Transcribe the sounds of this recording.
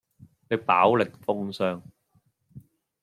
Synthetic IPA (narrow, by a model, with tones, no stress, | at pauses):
ne˨˧jpaː˨˥wlɪ˨k̚fʊ˥ŋsœː˧ŋ